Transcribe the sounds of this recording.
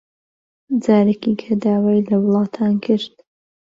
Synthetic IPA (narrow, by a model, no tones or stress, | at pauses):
d͡zaːɾekikʰɐd̪aːwajlɐwlˠɑːt̪ʰaːnkʰɨɾt̪̚